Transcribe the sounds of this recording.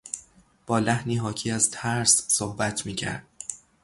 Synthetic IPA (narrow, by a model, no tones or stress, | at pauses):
b̥ɒːlæhniːɦɒːcʰiːæzt̪ʰæɾssohbæt̪ʰmiːcʰæ̰ɾd̪̥̚